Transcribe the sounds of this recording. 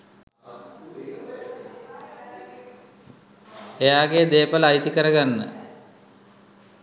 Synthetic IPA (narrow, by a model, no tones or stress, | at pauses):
ejaːɡeːd̪eːpəlajt̪ikəɾəɡanːə̰